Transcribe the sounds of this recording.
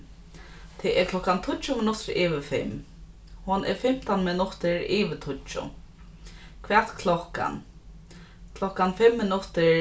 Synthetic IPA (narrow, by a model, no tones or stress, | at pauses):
t̪ʰɛʔɛɾkʰlɔhkant̪ʰʊt͡ʃʊmɪnʊt̪ɪɾɪːʋɪfɪ̰m | hɔnʔɛ̰ɹfɪm̥t̪anmɪnʊt̪ɪɹiːʋɪt̪ʰʊt͡ʃʊ̰ | kʰvɛːt̪kʰlɔhka̰n | kʰlɔhkanfɪmːɪnʊt̪ɪ